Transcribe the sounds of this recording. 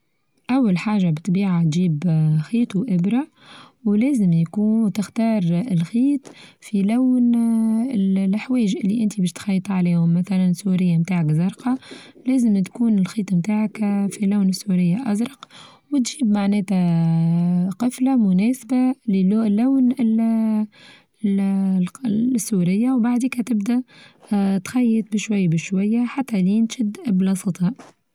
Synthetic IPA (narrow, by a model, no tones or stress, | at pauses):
ʔawːalħaːʒabɪt̪biːʕat̪ʒiːbxiːt̪ˤuʔɪbɾa | wlɛːzəmjkuːt̪ɪxt̪ɑːɾˤɪlxiːt̪ˤfilæwn | llħwɛːɪʒʔɪlːiʔɪnt̪ibɛːʃt̪xɑjːt̪ˤʕaliːhʊmːæθælænsuːɾɪjːamt̪aːʕakzɑɾˤqɑlɛːzəmt̪kuːnɪlxiːt̪ˤmt̪aːʕakfilawnɪsːuɾɪjːaʔɑzɾˤɑq | wɪt̪ʒiːbmaʕnɛːt̪æ | qɨflamʊnɛːsbalɪllːawnɪl | sːuːɾɪjːawbaʕd̪iːkhæt̪ɪbd̪æ | t̪xɑjːət̪̚ˤbɪʃwajːbɪʃwajːaħat̪ːæliːnt̪ʃɪd̪ʔblɑsˤɑt̪ˤhɑʔ